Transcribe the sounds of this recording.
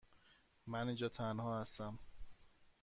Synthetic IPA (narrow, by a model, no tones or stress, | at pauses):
mænind͡ʒɒːt̪ʰænhɒːhæst̪æm